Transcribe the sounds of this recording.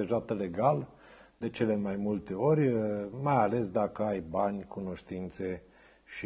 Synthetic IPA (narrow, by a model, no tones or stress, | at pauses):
eʒat̪le̞ɡal | d̪e̞t͡ʃe̞le̞majmult̪e̞o̞ɾʲmajale̞sd̪akəajbanʲkuno̞ʃt̪int̪se̞ | ʃi